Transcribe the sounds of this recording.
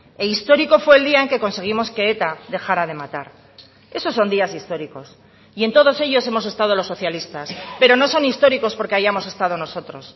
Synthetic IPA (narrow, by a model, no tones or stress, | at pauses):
e̞ist̪o̞ɾiko̞fwe̞ːld̪iae̞ŋke̞ko̞nse̞ɣ̞imo̞ske̞et̪aðe̞xaɾaðe̞mat̪aɾ | e̞so̞so̞nd̪iasist̪o̞ɾiko̞s | ie̞nt̪oð̞o̞se̞ʝo̞se̞mo̞s̬e̞st̪að̞o̞lo̞sːoθjalist̪aspe̞ɾo̞no̞so̞nist̪o̞ɾiko̞spo̞ɾkeajamo̞se̞st̪að̞o̞no̞so̞t̪ɾo̞s